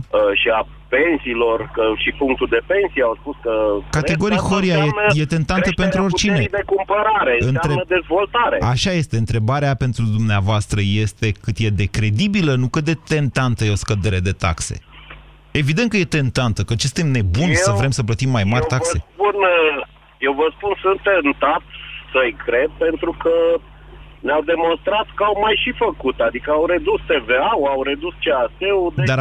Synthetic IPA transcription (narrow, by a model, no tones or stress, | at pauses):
əʃia | pe̞nsiːlo̞rkəʃipuŋk̚t̪uld̪e̞pe̞nsijawspuskəkat̪eɡo̞ɾixoɾiajenje̞t̪e̞nt̪anəpent̪ɾuorʲt͡ʃined̪ekumpəɾaɾeɨnt̪ɾeəd̪e̞zvo̞lt̪aɾeaʃaje̞st̪e̞ɨnt̪ɾe̞baɾeape̞nt̪ɾud̪umneavoast̪ɾəje̞st̪e̞kɨt̪je̞d̪e̞kɾe̞d̪ibilənukɨt̪̚d̪et̪e̞nt̪ant̪əjeo̞skəd̪e̞ɾe̞d̪e̞t̪a̰kse̞̰ | e̞vid̪e̞nt̪kəje̞t̪e̞nt̪ant̪əkət͡ʃest̪emne̞bunsəvɾe̞msəp̬lət̪imːajmaɾʲt̪akse̞pun | jewvəspunsɨnt̪ːent̪at̪səjkɾe̞d̪̚pe̞nt̪ɾukə | nawd̪e̞mõ̞nst̪ɾat̪kəawmajʃifəkut̪ad̪ikəawɾe̞d̪ust̪e̞veawawɾed̪ust͡ʃeastewd̪ed̪a